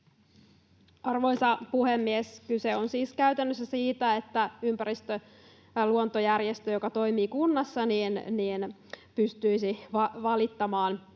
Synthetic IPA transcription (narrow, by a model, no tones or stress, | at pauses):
ʔɑrʋo̞jsɑpuhemːieskyseo̞nsiːskæyt̪ænːøs̬ːæsiːt̪æet̪ːæympæɾist̪ø | luont̪ojærjest̪øjokɑt̪o̞jmiːkunːɑsːɑniːnniːn | pyst̪yisiʋɑʋɑlit̪ːɑmɑːn